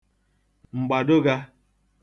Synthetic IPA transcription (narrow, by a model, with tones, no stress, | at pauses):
ŋ͡m̩˨ɡ͡ba˨do˦ɡa˦